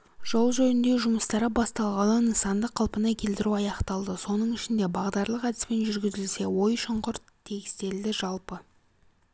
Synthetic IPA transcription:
ʒ̥o̞lˠʒɵj̪ɪnd̪e̞ʒʊməst̪ɑɾəbɑst̪ɑlˠʁɑnənəsɑnd̪əqʰːɑlˠpənɑkʲʰe̞lt̪ɪɾuɑjɑqt̪ɑlˠd̪əso̞nəɴɪʃɪnd̪e̞bɑʁd̪ɑɾlˠəqæd̪ɪspe̞nʒʏɾɡʲɪzɪlse̞wo̞jʃəɴqʊɾt̪ʰːe̞kʲɪ̥st̪e̞ld̪ɪʒɑlˠpə

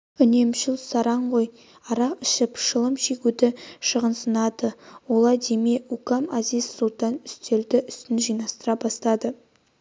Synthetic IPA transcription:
ʏne̞mʃɪlˠsɑɾɑɴʁoj | ɑɾɑɪʃɪpʃəlˠəmʃeɡʲud̪ɪʃəʁənsənɑd̪əwolˠɑd̪emeukɑmazijzsulˠt̪ɑnʏst̪e̞ld̪ɪʔʏst̪ɪnʒijnɑst̪əɾɑbɑst̪ɑd̪ə

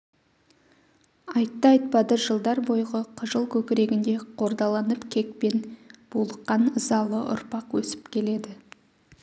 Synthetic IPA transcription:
ɑjt̪ːɑjt̪̚bɑd̪əʒəlˠd̪ɑɾbo̞jʁəqʰəʒəlˠkʲʰɵkʲɪɾe̞ɡʲɪnd̪e̞qʰo̞ɾd̪ɑlˠɑnəpkʲʰe̞k̚pe̞nb̥ulˠəqːɑnəzɑlˠəʔʊ̰ɾpɑqwɵsɪ̥pkʲʰe̞le̞d̪ɪ

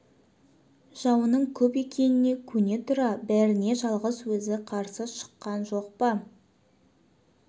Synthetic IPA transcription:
ʒ̥ɑwənəɴkʲʰɵpe̞kʲʰe̞nɪne̞kʲʰɵne̞t̪ʰʊɾɑbæɾɪne̞ʒɑlˠʁəswɵzɪqʰɑɾsəʃə̥qːɑnʒo̞q̚pɑ

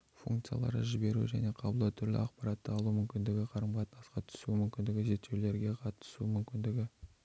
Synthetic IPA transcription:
fṵŋkt̪sɨja̰lˠɑ̰ɾə̰ʒɪbe̞ɾṵʒæ̰ne̞qʰɑbəlˠəwt̪ʰʏɾlɪ̰ɑqpɑɾɑt̪ːəɑlˠumʏmkʲɪnd̪ɪɡʲɪqʰɑɾəmʁɑt̪nɑsqɑt̪ʰʏ̥sumʏmkʲɪnd̪ɪɡʲɪʒeɾt̪ːe̞wle̞ɾɡʲe̞qʰɑt̪ə̥sumʏmkʲɪnd̪ɪɡʲɪ

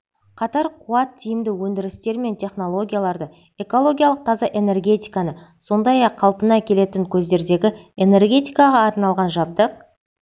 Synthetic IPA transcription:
qʰɑt̪ɑɾqʰuɑt̪ʰːijɪmd̪ɪwɵnd̪ɪɾɪst̪e̞ɾme̞nt̪ʲʰe̞χno̞lˠo̞ɡʲijalˠɑɾd̪ə | e̞ko̞lˠo̞ɡʲijalˠəq̚t̪ʰɑzɑʔe̞ne̞rɡʲe̞t̪ijkɑnəso̞nd̪ɑjɑqʰːɑlˠpənɑkʲʰe̞le̞t̪ɪŋkʲʰɵz̪d̪e̞ɾd̪e̞ɡʲɪe̞ne̞rɡʲe̞t̪ijkɑʁɑɑɾnɑlˠʁɑnʒɑp̚t̪əq̚

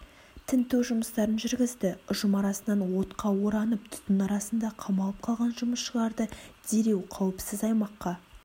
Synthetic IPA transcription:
t̪ʰɪnt̪ewʒʊməst̪ɑɾənʒʏɾɡʲɪzd̪ɪʊʒəmɑɾɑsənɑnwo̞t̪qɑwo̞ɾɑnəp̚t̪ʰʊ̥t̪ənɑɾɑsənd̪ɑqʰɑmɑlˠəp̚qʰɑlˠʁɑnʒʊməsʃəʁɑɾd̪əd̪̥e̞ɾe̞wqʰɑwəpsɪzɑjmɑqːɑ

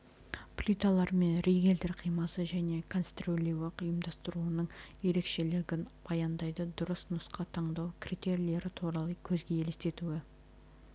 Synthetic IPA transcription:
plʲit̪alˠɑɾme̞nɾejɡʲe̞ld̪eɾqʰijmɑsəʒæne̞kʰonst̪rolʲiwɑqjəmd̪ɑst̪əɾuənəɴje̞ɾe̞kʃe̞lɪɡʲɪnbɑjɑnd̪ɑjd̪əd̪ʊɾəsnʊsqɑt̪ʰɑɴd̪ɑwkʲʰrit̪e̞ɾile̞ɾɪt̪ʰuɾɑlˠəkʲʰɵzɡʲe̞elest̪e̞t̪uɪ

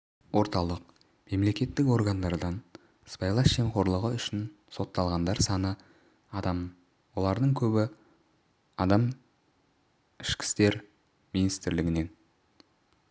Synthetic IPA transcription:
wo̞ɾt̪ɑlˠəq | me̞mle̞kʲe̞t̪ːɪko̞ɾɡand̪ɑɾd̪ɑn | spajlˠɑsʒe̞mqo̞ɾlˠəʁəʏʃɪn | so̞t̪ːɑlˠʁɑnd̪ɑɾsɑnə | ɑd̪ɑm | wo̞lˠɑɾd̪əɴkʲʰɵbɪ | ɑd̪ɑm | ɪʃkʲɪ̥st̪e̞ɾ | minist̪ɪɾlɪɡʲɪne̞n

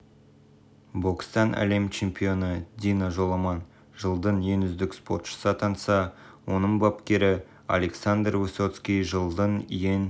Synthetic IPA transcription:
bokst̪ɑnʔæ̰le̞mt͡ʃʰe̞mpʲijo̞nəd̪ʲinaʒo̞lˠɑmɑn | ʒəlˠd̪ənje̞nʏzd̪ɪkspo̞t̪ʃə̥sɑt̪ʰɑnsɑ | wo̞nəɴbɑpkʲe̞ɾɪ | a̰leksand̪rvuso̞t̪skʲiʒəlˠd̪ənjen

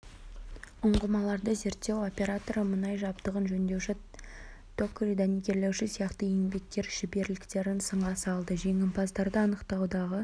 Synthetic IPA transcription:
ʊɴʁəmɑlˠɑɾd̪əze̞ɾt̪ːe̞wo̞pʲe̞ɾat̪o̞ɾəmənɑjʒɑbt̪əʁənʒɵnd̪e̞wʃɪ | t̪ʰokːɾijd̪anikʲe̞ɾle̞wʃɪsijɑqt̪əjeŋbe̞k̚t̪e̞ɾʒ̥ɪbe̞ɾlɪkt̪e̞ɾɪnsəɴʁɑsɑlˠd̪əʒe̞ŋʲɪmpʰɑzd̪ɑɾd̪əɑnəqt̪ɑwd̪ɑʁə

